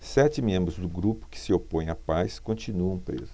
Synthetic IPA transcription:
sɛt͡ʃɪmẽmbɾʊzd̪ʊɡɾupʊ̥kɪ̥sɪopõj̃ɐpajskõnt͡ʃinuɐ̃w̃pɾḛzʊ

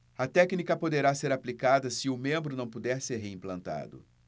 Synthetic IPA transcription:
ɐt̪ɛknikɐpod̪eɾaseɾaplikad̪ɐsɪʊmẽmbɾʊnɐ̃w̃pud̪ɛɾseɾɦeĩmplɐ̃nt̪a̰d̪ʊ̰

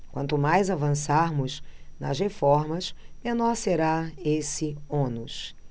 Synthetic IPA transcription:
kwɐ̃nt̪ʊmajzavɐ̃saɾmʊznɐshefɔɾmɐsmẽnɔɾseɾaesɪõnus

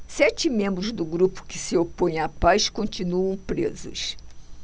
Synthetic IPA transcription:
sɛt͡ʃɪmẽmbɾʊzd̪ʊɡɾupʊ̥kɪsɪopõj̃apajskõnt͡ʃinuɐ̃w̃pɾḛzʊ̰s

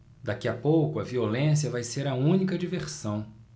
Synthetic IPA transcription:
d̪akiapowkʊɐviolẽsiɐvajseɾɐũnikɐd͡ʒiveɾsɐ̃w̃

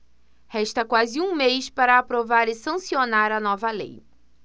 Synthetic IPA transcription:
hɛʃt̪ɐkwazɪũmejspaɾɐːpɾovaɾɪsɐ̃sionaɾɐnɔvɐlḛj

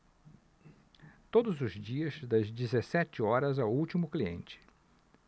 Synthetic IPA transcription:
t̪od̪ʊzʊzd͡ʒiɐzd̪ɐzd͡ʒizesɛt͡ʃɪɔɾɐzawuwt͡ʃimʊkliḛ̃nt͡ʃɪ̥

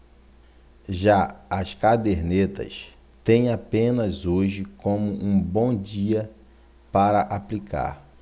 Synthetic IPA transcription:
ʒaɐskad̪eɾnet̪ɐ̰s | t̪ẽj̃apẽnɐzoʒɪkõmʊʔũbõw̃d͡ʒiɐ | paɾɐʔaplika̰ɾ

